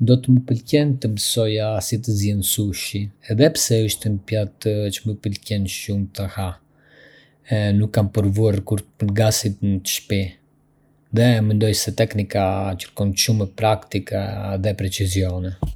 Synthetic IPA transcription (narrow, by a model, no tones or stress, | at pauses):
d̪ɔt̪əməpəlcɛnt̪əmbəsɔjasit̪̬əzjɛnsuʃiɛðɛpsɛəʃt̪ɛmpjat̪t͡ʃəməpəlcɛnʃumt̪əha | ɛnukːampəɾvuaɾkuɾt̪pəlɡasit̪nət̪ə̥ʃpi | ðɛmɛnd̪ɔjsɛt̪ɛknikacə̥ɾkɔnʃumɛpɾakt̪ikaðɛpɾɛt͡sizjɔnɛ